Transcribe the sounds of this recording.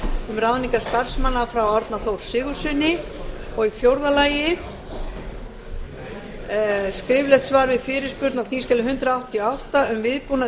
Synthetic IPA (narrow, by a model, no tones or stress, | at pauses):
ʏmrawniŋkaɾ̥st̪ar̥smanːafɾawɔɾt̪naθowɾ̥sɪːɣʏ̥sʏnɪ | ɔɣifjowɾðalaːjɪ | skɾɪːvlɛht̪svaːɾvɪðfɪːɾɪ̥spʏɾt̪naθis̬cɛlʏɦʏnt̪ɾaawht̪ːijɔawht̪aʏmvɪðpuːna